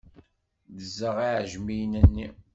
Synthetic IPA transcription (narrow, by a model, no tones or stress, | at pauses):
ðəzəʁiʕʒmijnænːi